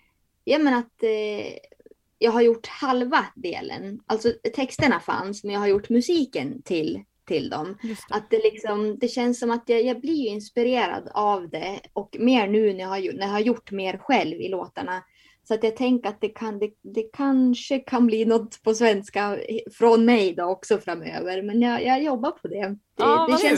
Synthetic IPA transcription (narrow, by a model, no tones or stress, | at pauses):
jɑːmɛnat̪ | jɑːɡɦaɾjʊʈːhalvad̪ḛːlə̰nʔalt̪sɔt̪ʰɛkst̪əɳafa̰nsmɛnjaːhaɾjʊʈːmɵsiːkənt̪ʰɪl | t̪ʰɪld̪ɔmʔat̪̚d̪ɛlɪksɔmd̪ɛɕɛnsːɔmat̪jajaɡblɪɾjɵɪnspɪɾeːɾa̰d̪avd̪ɛɔkmeːɾɳʉ̟ːnæɾjahajʊnæɾjahaɾjʊʈːmeːɾɧɛlvɪ̰loːt̪aɳa | sɔat̪jaːɡt̪ʰɛŋkəɾat̪̚d̪ɛkʰand̪ɛd̪ɛkʰanʂəkʰanbliːnɔt̪ːpʰɔsvɛnskafɾɔnmɛjd̪ɔɔksɔfɾamø̰ːvəɾmɛnjɑjɑjɔbːapʰɔd̪ɛd̪̥ɛɛɕɛn